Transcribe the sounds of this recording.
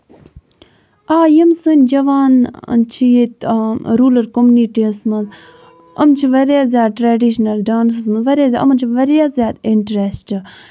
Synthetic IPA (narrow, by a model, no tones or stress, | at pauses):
aːjimsɨnʲd͡ʒɐʋaːn̰t͡ʃʰijet̪ɾuːlɐɾkomuniʈiɐsmɐnz | ɐ̰mt͡ʃʰiʋɐɾazʲjaːd̪̚ʈɾeːɖiʃnɐlɖaːnsɐsmɐzʋɐɾaːzʲɐ̰mɐnt͡ʃʰiʋɐɾjazʲjaːd̪iɳʈɾesʈɨ